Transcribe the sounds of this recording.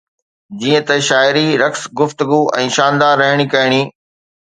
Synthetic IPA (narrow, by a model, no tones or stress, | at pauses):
d͡ʑiːə̃t̪ɐʃaːɪɾiɾɐksɡʊft̪ʊɡuɛ̰̃ːʃãːnd̪aːɾːɐɦɪɽ̃ikɐɪɽ̃iː